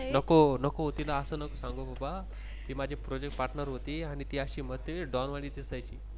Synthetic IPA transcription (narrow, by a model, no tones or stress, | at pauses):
nəkonəkoɦot̪ilaːsəːnəkosãŋɡobʱaba | t̪iːmad͡ʑʱipɾod͡ʑekʈ̚paɾʈnəɾɦot̪iːaɽ̃it̪iːaɕiːməɦət̪jəʋeɖɔnʋaɽiːt̪isajt͡ɕḭː